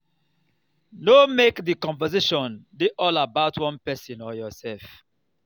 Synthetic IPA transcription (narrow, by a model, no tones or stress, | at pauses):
nomekdikɔ̃ɱvɛzeʃɔ̃ndeʔɔlabaʊtwɔ̃npɛsĩnɔjɔsɛlf